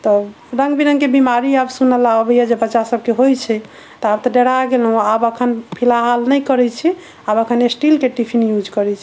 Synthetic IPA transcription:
t̪ɔ | ɾəŋɡbiɾəŋkebimaɾiabsunəlaobɛjɛd͡ʒebətːʃasəb̚keɦojt͡ʃʰɛ | t̪ɔab̚t̪ɔɖeɽaɡelɦũabəkʰənpʰilaɦalnɛjkəɾɛt͡ʃʰɛ | abəkʰənesʈilkeʈipʰinjud͡ʒkəɾɛt͡ʃʰi

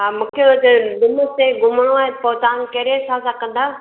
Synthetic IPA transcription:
ɦaːmũːkʰeʋɐt͡ɕd̪ʊmseɡʊməɽ̃oaːɦepoːt̪aãnkɐɦɾesãsãkɐ̃nd̪aː

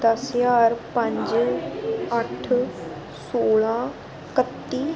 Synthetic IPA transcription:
d̪əsjaːɾpə̃ɲd͡ʒ | əʈʰ | soːɭãː | kət̪ːiː

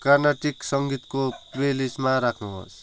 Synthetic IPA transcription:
karnaʈiksʌŋɡit̪koprelismaɾakʰnuɦo̰s

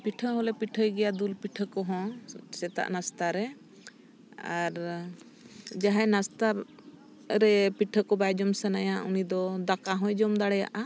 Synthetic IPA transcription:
piʈʰəɦɔ̃lɛpiʈʰəjɡɛjad̪ulpiʈʰəkɔɦɔ̃sɛt̪a̰ʔnast̪aɾɛ | aɾ | d͡ʒaɦajnast̪a | ɾɛpiʈʰəkɔbajd͡ʒɔmsɛnajaunid̪ɔd̪akaɦɔ̃jd͡ʒɔmd̪aɽɛja̰ʔa

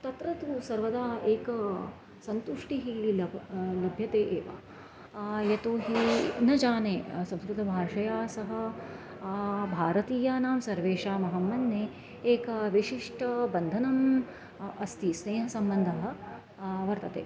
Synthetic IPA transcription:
t̪ɐt̪ɾɐt̪usɐɾʋɐd̪aːeːkɐ | sɐnt̪uʂʈiɦilɐlɐbʱjɐt̪eːʔeːʋa̰ː | jɐt̪oːɦinɐd͡ʒaːneːsɐ̃mskɾut̪ɐbʱaːʂɐjaːsɐɦɐ̆ | bʱaːɾɐt̪iːjaːnaːmsɐɾʋeːʂaːmɐɦɐmːɐnːeː | eːkɐʋiʂiʂʈʰɐbɐnd̪ʱɐnɐm | ɐst̪isneːɦɐsɐmbɐnd̪ʱɐɦɐ̆ | ʋɐɾt̪ɐt̪ḛː

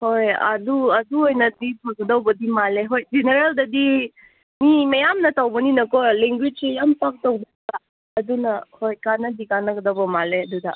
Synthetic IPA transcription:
hojɐ̰duɐduojnɐdipʰɐɡudawbɐdimaleɦojd͡ʒeneɾeldɐdi | mimɐjamnɐtawbɐninɐkɔleŋɡwid͡ʒsejampak̚tawbɐɡa | ɐdunɐhojkanɐdikanɐɡɐdawbɐmaleɐdudɐ

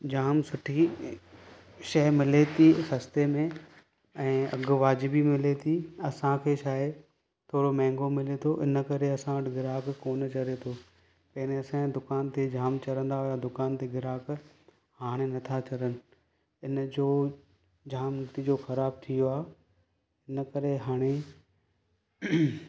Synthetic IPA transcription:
d͡ʑaːmsʊʈʰi | ʃɐɦmɪlet̪ʰisɐst̪emẽ | ɛ̃ːɐ̰ɡʋaːd͡ʑɪbimɪlet̪ʰiɐsãkʰeːʃaːɪ | t̪ʰoːɾomɛ̃ːŋɡomɪlet̪ʰoʔɪnəkɐɾeɐsãʋɐʈɡɪɾaːkkoːnt͡ɕɐɾet̪ʰoː | pɐɦneɐsãd̪ʊkaːnt̪ʰed͡ʑʱaːmt͡ɕɐɾə̃nd̪aɦʊjad̪ʊkaːnt̪ʰeɡɪɾaːk | haːɽ̃enɐt̪ʰat͡ɕɐɾənɪ̆ | ɪnd͡ʑoː | d͡ʑʱaːmt̪id͡ʑoxɐɾaːb̚t̪ʰijoaːɦ | ɪnəkɐɾeɦaːɽ̃e

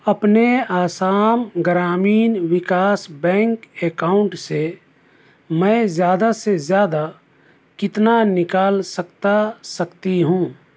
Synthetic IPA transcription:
əpneaːsaːmɡɾaːmiːnwɪkaːsbɛ̃ːŋkeːkaːʊɳʈse | mə̃zjaːd̪asezjaːd̪a | kɪt̪nanɪkaːlsəkt̪asəkt̪iɦũː

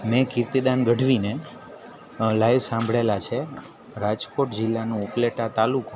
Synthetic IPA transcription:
mẽkiɾt̪id̪anɡəɖʱʋine | lajʋsãmbʱɭelat͡ʃʰe | ɾad͡ʒkoʈd͡ʒɪlːanũupleʈat̪aluk

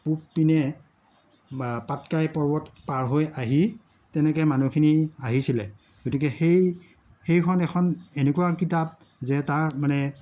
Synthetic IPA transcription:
pupːinɛ | patkajpɔɹbɔtpaɹɦojaɦi | tɛnɛkɛjmanukʰiniaɦisilɛ | ɡotikɛxej | hejkʰɔnɛkʰɔnenekuwakitap̚ | zɛtaɹmanɛ

